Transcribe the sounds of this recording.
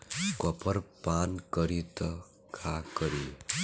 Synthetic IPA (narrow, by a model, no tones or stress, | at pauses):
kɔpʌɾpankʌɾit̪ʌ | kʰakʌɾi